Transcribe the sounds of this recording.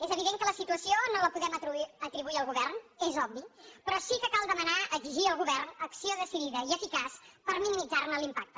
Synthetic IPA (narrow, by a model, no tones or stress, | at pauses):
ezəβ̞iðeŋkələsit̪uəsionoləpuðɛmət̪ɾət̪ɾiβuiəlˠɣuβɛrnezɔbbipɾɔsikəkalˠd̪əmənaəɡziʒiəlˠɣuβɛrnəksioðəsiðiðəiəfikaspəɾminimid͡zarnəlimpak̚t̪ə